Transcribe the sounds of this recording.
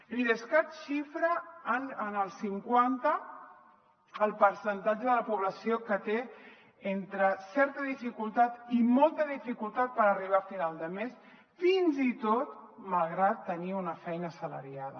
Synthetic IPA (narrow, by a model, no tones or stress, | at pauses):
liðəskat̪ʃifɾənːnəlˠsiŋkwant̪ə | əlˠpəɾsənt̪ad͡ʒəðələpuβləsiokət̪e | ent̪ɾəsɛɾt̪əðifikulˠt̪at̪imɔlˠt̪əðifikulˠt̪at̪̚pəɾəriβ̞afinalˠd̪əmes | finzit̪ot̪̚malˠɣɾat̪ːəniunəfɛjnəsələ̰ɾiaðə̰